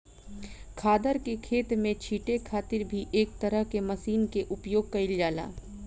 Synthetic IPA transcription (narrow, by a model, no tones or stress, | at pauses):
kʰaːd̪əɾkekʰeːt̪mẽt͡ʃʰiːʈekʰaːt̪ɪɾbʱiʔeːkt̪ɐɾəɦkemɐsiːnkeʔʊpjoːɡ̚kɐɪljaːla̰ː